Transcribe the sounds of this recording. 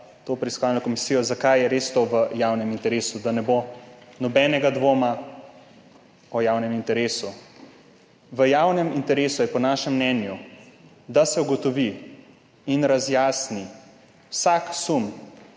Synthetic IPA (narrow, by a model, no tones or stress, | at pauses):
t̪oːpɾɛiskɔʋalnɔkɔmisiːjɔzakajjɛɾeːst̪oʋəjawnɛmint̪ɛɾeːsud̪anɛbonɔbɛnɛɡad̪ʋoːma | ɔjawnɛmint̪ɛɾeːsu | ʋəjawnɛmint̪ɛɾeːsujɛpɔnaːʃɛmːnɛnju | d̪asɛuɡɔt̪ɔʋi | inɾazjaːsni | wsaksum